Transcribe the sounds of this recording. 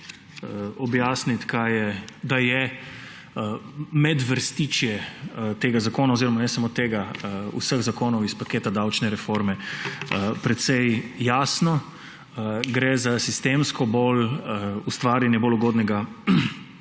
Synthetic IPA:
ɔbjaːsnit̪kʰajɛd̪ajɛ | mɛd̪ʋəɾst̪iːt͡ʃjɛt̪eːɡazakoːnaoziːɾɔmanɛsamoːt̪eːɡaṵsəɣzakoːnɔwispakeːt̪ad̪awt͡ʃnɛɾɛfoɾmɛəpɾɛt̪sɛjjaːsnɔ | ɡɾɛzasist̪emskɔbolust̪ʋaːɾinɛboluɡoːd̪nɛɡa

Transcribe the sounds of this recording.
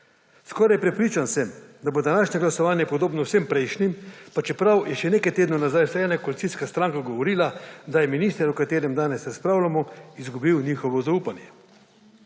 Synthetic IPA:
skɔːɾajpɾɛpɾiːt͡ʃansɛmd̪abod̪anaːʃnɛɡlasɔʋaːnjɛpɔd̪oːbnɔwsempɾɛjʃnimpat͡ʃɛpɾawjɛʃɛneːkajt̪eːd̪nɔnazajsɛːnakolit̪sijskast̪ɾaŋkaɡɔʋɔɾiːlad̪ajɛminiːst̪ɛɾukat̪eːɾɛmd̪aːnɛsɾaspɾaːwlamɔizɡubiwniːxɔʋɔzauːpanjɛ

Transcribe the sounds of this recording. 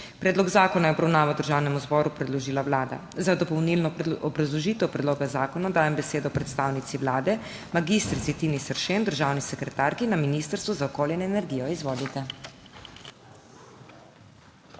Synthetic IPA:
pɾɛːd̪lɔɡzaːkɔnajɛɔbɾawnaːʋawd̪əɾʒaːwnɛmuzbɔːɾupɾɛd̪lɔʒiːlawlaːd̪a̰zad̪ɔpɔwnilnɔɔbɾazlɔʒiːt̪ɛwpɾɛd̪loːɡazaːkɔnad̪aːjɛmbɛseːd̪ɔpɾɛt̪st̪aːwnit̪siʋlaːd̪ɛ | maɡist̪ɾit̪sit̪inisəɾʃend̪əɾʒawnisɛkɾɛt̪aːɾkinaminist̪əɾst̪ʋuzaɔkoːljɛnɛnɛɾɡiːjɔizʋoːlit̪ɛ

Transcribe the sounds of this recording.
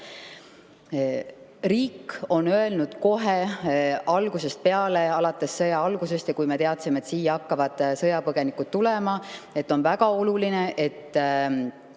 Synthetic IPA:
riːkːo̞nø̞e̞lnud̪̥ko̞ɦe | ɑlɡ̥use̞st̪̚pe̞ɑle̞ɑlɑt̪ːˑe̞sːɤjɑɑlɡuse̞st̪jɑkujme̞t̪e̞ɑt̪simeet̪siːjɑɑkːɑvɑd̪̥sɤ̞jɑpɤɡ̥e̞nikut̪t̪ːule̞mɑe̞t̪ːo̞nvæɡ̥ɑo̞luline̞ʔe̞t̪ː

